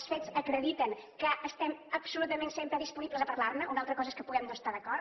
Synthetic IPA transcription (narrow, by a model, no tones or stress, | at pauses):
sfezəkɾəðit̪əŋkəəst̪ɛməpsulut̪əmẽnsempɾəðispuniβlˠəzəpəɾlaɾnəʔunalˠt̪ɾəkɔzəeskəpuɣɛmnoəst̪aðəkɔɾ